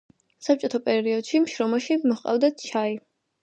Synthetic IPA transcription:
sap̚t͡ʃʼɔt̪ʰapʼɛɾiɔd̪̥ʃimʃɾɔmaʃimɔχqʼa̰vd̪at͡ʃʰai

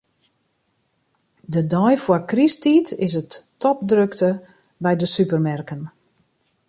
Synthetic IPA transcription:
dədɔjfwɔkristitɪs̬ətːɔp̚drøktə | bɛjdəsypərmɛrkən

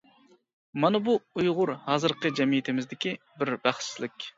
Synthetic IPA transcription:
mɑnɨbuujʁʊɾhɑːzɨɾqʰəd͡ʒɛmijit̪ʰɪmɪzd̪ɪkʲi | bɪɾbæχslɪkʲ

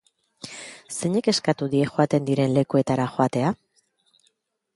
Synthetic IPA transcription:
se̞ɲe̞ke̞skat̪uðie̞xoat̪e̞nd̪iɾe̞nle̞kue̞t̪aɾaxo̞at̪e̞a

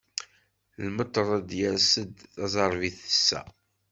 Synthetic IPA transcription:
ləmət̪ˤːəɾˤɑd̪jæsəd̪θɑzˤɑɾˤviθə̥sːæ̰

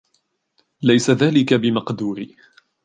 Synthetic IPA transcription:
lajsaðaːlɪkabɪmɑqd̪uːɾiː

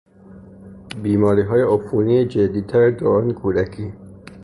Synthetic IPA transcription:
biːmɒːɾiːɦɒːjeofunied͡ʒed̪iːt̪ʰæɾed̪oɾɒːnkʰuːd̪ækʰiː

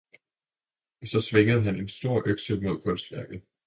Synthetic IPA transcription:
sɒ̽sʋe̝ŋəð̩ˠɦæne̝nsd̥o̝ɐ̰ʔøɡ̥səlmo̝ð̞̰ˠkʰɔ̽nsd̥ʋæɐɡ̥ð̩ˠ

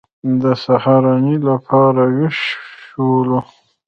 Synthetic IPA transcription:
d̪əsahaɾɑnilapʰɑɾaweʃolo

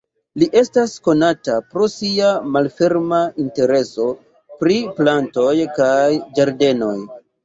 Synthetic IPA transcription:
liʔe̞stasko̞natapɾo̞siamalfe̞ɾmainte̞ɾe̞so̞ | pɾiplanto̞jkajd͡ʒaɾde̞no̞j

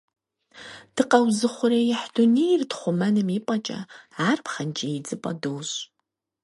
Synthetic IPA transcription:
d̥ɨqɐwzɨχʷʊɾejɪħdʊnirtχʷʊmɐnɨmipʼɐt͡ʃʼɐ̰aːrpχɐnt͡ʃʼejɪd͡zɨpʼɐ̰dowɕʼ

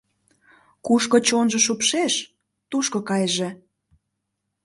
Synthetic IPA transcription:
kuʃkot͡ɕonʒə̆ʃupʃeʃ | t̪uʃkokɑjʒe

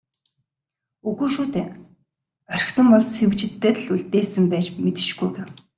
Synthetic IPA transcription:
ɵɣuːʃuːt̪eː | œɾʲɪ̆xsə̆mpɔɮsewt͡ɕɪ̆t̪ːeːt̪ɮuɮt̪eːsɘ̆mpæːt͡ɕmet̪ɪ̥̆ʃɡujɡew

